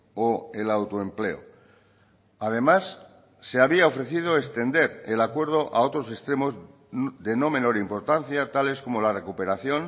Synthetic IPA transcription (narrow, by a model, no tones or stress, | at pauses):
oe̞lawt̪oemple̞o̰ | að̞e̞masː | e̞aβ̞iao̞fɾe̞θið̞o̞e̞st̪e̞nd̪e̞ɾelakwe̞ɾð̞o̞ʔao̞t̪ɾo̞sest̪ɾe̞mo̞z | ðe̞no̞mẽ̞no̞ɾimpo̞ɾt̪an̟θjat̪ale̞sko̞mo̞lare̞kupe̞ɾaθjo̞n